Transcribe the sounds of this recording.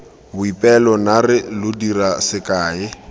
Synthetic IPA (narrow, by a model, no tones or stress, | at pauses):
bʊipʼɛlɔnarɪlʊdirasɪkʼaːɪ